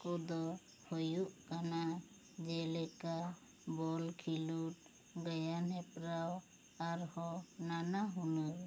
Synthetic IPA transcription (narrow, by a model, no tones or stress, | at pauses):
kɔd̪ɔ | hojuʔkana | d͡ʒɛlɛka | bɔlkʰiluʈ̚ | ɡɛjanɦɛpɾaw | aɾhɔnanaɦunɔɾ